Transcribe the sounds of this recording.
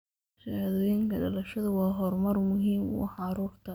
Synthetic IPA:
ʃɐhðɔːjɪŋkʰɐɖɐlɐʃɐðɐwɑːɦɔrmɐrmʊɦiːmṵħɑɾuːrt̪ʰɐ

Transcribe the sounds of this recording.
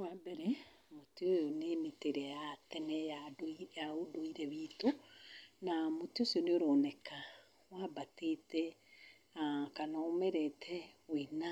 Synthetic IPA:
wabɛɾɛ | motiojonemeteɾɛjatɛnɛjajaodoiɾɛβiːto | namotiosioneoɾonɛka | wabatetɛ | akanaomɛɾɛtʰɛwena

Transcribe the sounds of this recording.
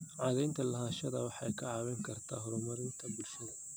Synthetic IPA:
ʕɑːðɛjnt̪ʰɐlɐɦaːʃɐðɐwɑħɑjkʰɐʕɑβɛŋkʰɐrt̪ʰaːɦɔɾmɐɾɪnt̪ʰɐbulʃɐðɐ

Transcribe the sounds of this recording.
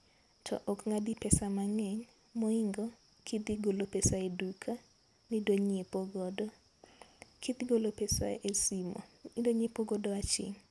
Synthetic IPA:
tʰɔ̰ʔɔkŋadipɛsamaŋɛɲ | moiŋɡɔ | kʰid̪iɡolopesaedukʰa | nidoɲepoɡɔdɔ | kʰid̪iɡolopesa̰esimo̰idoɲepoɡodɔat͡ʃɪ̰ŋ

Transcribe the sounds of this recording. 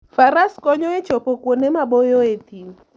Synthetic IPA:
faɾaskɔɲɔet͡ʃɔpɔkwonemabɔjɔet̪i

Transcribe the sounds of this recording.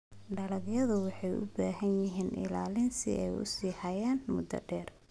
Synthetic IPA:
ɖɐlɐɡjɐðʊwɑħɑjʔʊ̰baːɦɐnjɪɦiːnʔɪ̰laːlɪnsɪ̰ʔɛjʊ̰siːhɐjaːnmʊd̪ɐ̰ɖɛːr

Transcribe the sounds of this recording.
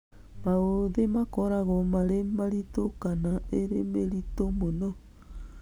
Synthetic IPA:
maoðemakoɾaɣomaɾemaɾitokanaeɾemeɾitomono

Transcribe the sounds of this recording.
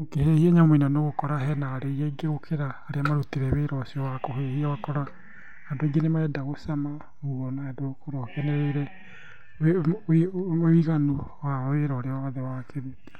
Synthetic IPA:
okehehiaɲaminanoɣokɔɾaɦɛnaːɾeijɛɡeɾokʰeɾaːɾeamaɾutiɾɛβeɾɔsiɔwakoɦehiawakɔɾa | hadoeɡenemaɛdaɣosama | uɣɔnaɛdokoɾɔkɛnɛɾɛiɾɛ | we | iɣanu | waweɾɔːɾeawaðewakʰeɾuti̥

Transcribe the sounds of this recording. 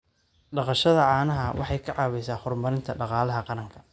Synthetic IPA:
ɖɑqɑʃɐðɐʕɑːnɐɦɐwʔɑ̰ħɑjkʰɐʕɑːwɛjsaːhʊrmɐɾɪnt̪ʰɐɖɑqɑːlɐɦɐqɑɾɐŋkʰɐ̥

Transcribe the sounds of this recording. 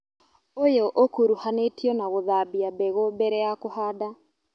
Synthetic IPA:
ojoʔokuɾuhanetiɔnaɣoðabiabɛɣobɛɾɛakohaːda

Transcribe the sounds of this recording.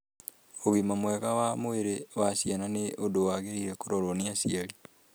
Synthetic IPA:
oɣimamwɛɣawamoeɾewasiananeodowaɣeɾiɾekoɾoɾoniasiaɾi

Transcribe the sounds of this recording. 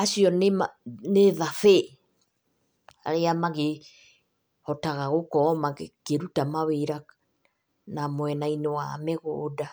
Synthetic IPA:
asiɔnemaneðafe | a̰ɾeamaɣe | hɔtaɣaɣokɔmaɣekeɾutamaweɾa | namoɛnainewameɣoːda

